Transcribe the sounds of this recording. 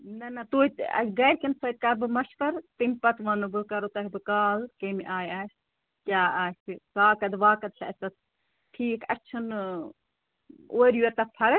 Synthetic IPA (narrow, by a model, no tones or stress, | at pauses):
nɐnɐt̪oːit̪ɐ̰ɡɐjɽkɐnsɐjt̪̚kɐbɨmɐʃpɐɾt̪impɐt̪ʋɐnɨbɨkɐɾot̪ɐɦibɨkaːlkɐmiʔaːjaːsʲ | kʲjaːasikaːkɐd̪ʋaːkɐd̪̚lʰʲɐɐsʲt̪ɐt̪ | ʈʰiːkɐ̰t͡ʃʰɐn | oːɾjuɐɾt̪ɐpʰɐɾɨ